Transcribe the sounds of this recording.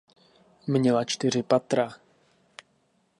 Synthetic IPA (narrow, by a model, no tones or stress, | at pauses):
mɲɛlat͡ʃt̪ɪr̝ɪpat̪ɾa